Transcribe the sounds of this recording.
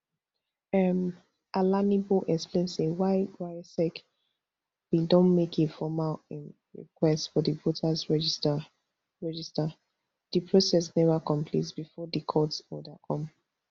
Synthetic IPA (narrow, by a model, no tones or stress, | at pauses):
ɛm | ʔalaniboʔɛksplẽnsewaɪɹajsɛk | widɔ̃nmekʰefɔmal | ɹḭkʰwɛstfɔðəvotʰazɹɛd͡ʒ | ɹɛd͡ʒista | dɨpʰɹosɛsnɛvəkʰɔ̃mpʰlḭt̬bifɔdikʰɔtsɔdakʰɔ̃m